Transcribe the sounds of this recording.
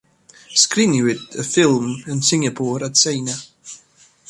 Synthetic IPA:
skɾɪnjʉɪdəfɪlˠmə̃nsɪ̃ŋəpʰɔːɹətseɪnə

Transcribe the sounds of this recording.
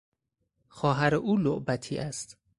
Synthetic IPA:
xɒːɦæɾeʔuːloʔbæt̪ʰiːʔæst̪

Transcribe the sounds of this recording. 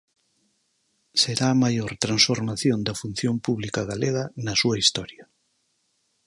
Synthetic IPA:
seɾaːmajoɾt̪ɾansfoɾmaθjond̪ɐfun̟θjompuβlikɐɣaleɣɐnɐsuɐist̪ɔɾjɐ

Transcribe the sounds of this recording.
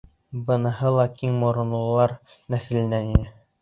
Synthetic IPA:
bɤ̆nɤ̆hɤlˠɑkiŋmŏɾɤ̆nlˠɤ̆lˠɑɾ | næθɘ̆lɘ̆næninɘ

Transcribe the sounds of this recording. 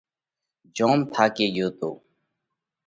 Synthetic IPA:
d͡ʒõːmt̪ʰaːkeːjoːt̪o̰ː

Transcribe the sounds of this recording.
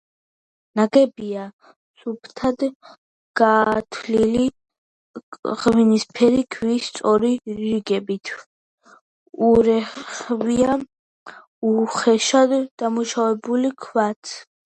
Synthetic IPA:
naɡɛbia | supʰt̪ʰad̪ | ɡ̥aːt̪ʰlili | ʁvinispʰɛɾikʰvist̪sʼɔɾiɾiɡɛbit̪ʰ | uɾɛχvia | uχɛʃad̪d̪amuʃavɛbulikʰwat̪ʰ

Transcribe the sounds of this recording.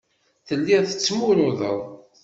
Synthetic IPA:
θəlːiʁθə̥t͡sːmunuðə̰ðˤ

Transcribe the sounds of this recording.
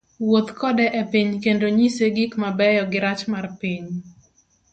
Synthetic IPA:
wot̪kʰɔdɛʔepiɲkendoɲiseɡikmabɛjɔɡɪɾat͡ʃmarpiɲ

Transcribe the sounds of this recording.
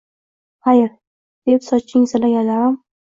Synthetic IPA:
χajɪɾ | d̪̥epsɒt͡ʃʰːɪŋzalaɡʲalaɾam

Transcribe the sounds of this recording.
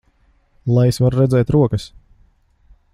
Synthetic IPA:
lˠajsvaɾɾɛd̪zɛːjt̪ɾuɔkəs

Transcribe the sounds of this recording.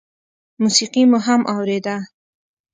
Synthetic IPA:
musiqimuɦamʔawɾed̪a

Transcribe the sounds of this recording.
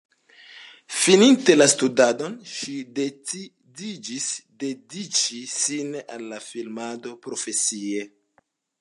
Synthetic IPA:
fininte̞lastudado̞nʃide | did͡ʒisde̞dit͡ʃisina̰lːafilmado̞pɾo̞fe̞sie̞

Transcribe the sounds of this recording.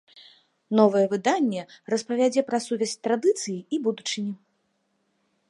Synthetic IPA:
nɔvɐjɛvɨd̪anʲːɛrɐspɐvʲad͡zʲɛpɾɐsuvʲɛsʲt̪ɾad̪ɨt̪sɨjiibud̪ut͡ʂɨnʲi

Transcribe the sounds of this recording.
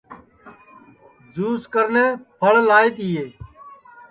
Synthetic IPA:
d͡ʒuːskəɾnẽːpʰəɭlaːit̪iːeː

